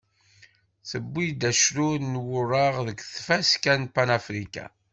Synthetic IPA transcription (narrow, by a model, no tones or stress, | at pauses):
θəbːid̪æʃɾunwʊrˤaʁðəkʷθfæskænpanafɾikæ̰